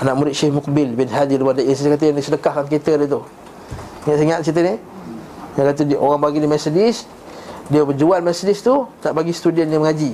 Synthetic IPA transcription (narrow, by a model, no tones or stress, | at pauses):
anaʔmuɾɪt̪̚ʃehmʊk̚bɪlbɪnɦadiləbadaʔiskat̪̬əjaŋdisədəkahkankit̪ədit̪̬u | ŋaʔsiŋaʔ̪sit̪̬əni | jalat̪̬uiʔoɣaŋbaɡinimɛsdɪs | diəbəd͡ʒualmɛsdɪst̪unaʔbaɡisə̥t̪udɛnːjəməŋad͡ʒi